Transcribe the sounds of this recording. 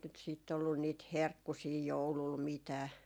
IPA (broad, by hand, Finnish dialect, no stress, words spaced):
nyt siˑt olːun niːt herkːusiː joulul mitæː